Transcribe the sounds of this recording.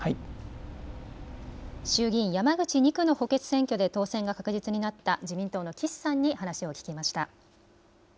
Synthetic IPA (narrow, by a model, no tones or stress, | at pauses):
hai | ɕɨːɡʲĩɰ̃jamaɡɯ̟t͡ɕiɲ̟ikɯ̟no̞ho̞ke̞t͡sɨ̥sẽŋkʲo̞d̪e̞t̪o̞ːsẽ̞ŋɡakakɯ̟ʑit͡sɨɲ̟inat̪ːad͡ʑimʲĩnt̪o̞ːno̞kʲisːãɲ̟ːihanaɕio̞kʲi̥kʲimaɕi̥t̪a̰